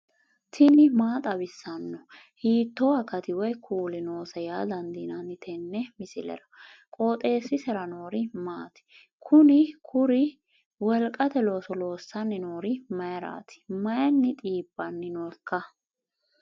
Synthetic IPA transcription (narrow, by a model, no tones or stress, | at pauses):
t̪ʰɪnɪmaːt̪ʼɐbɪsːɐnːɔ | hiːt̪ːɔɐkɐt̪ɪwɔjkʰuːlɪnoːsɐjaːd̪ɐnd̪inɐnɪt̪ʰɛnːɛmɪsɪlɛ̰ɾɐ̥kʼoːt̪ʼe̞ːsːɪsɛɾɐnoːɾɪmaːt̪ɪ̥ | kʰʊnɪkʰʊɾɪ | wɔlkʼɐt̪ɛlo̞ːsɔlo̞ːsːɐnːɪnoːɾɪmɐjɐɾa̰ːt̪ʰɪ̥mɐjɐnːɪt̪ʼiːb̥ːɐnːɪnɔkːɐ